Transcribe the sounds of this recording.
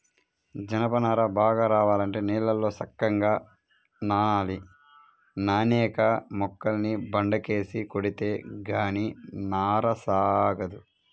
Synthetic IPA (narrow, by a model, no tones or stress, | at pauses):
d͡ʒɐnɐpɐnaːɾɐbaːɡaːɾaːʋaːlɐɳʈe̞ːniːlːɐlːo̞ːsɐkːɐŋɡaː | naːaːli | naːnɛːkɐmɔkːɐlnibɐɳɖɐke̞ːsikoɽit̪e̞ːɡaːninaːɾɐsaːɡɐd̪u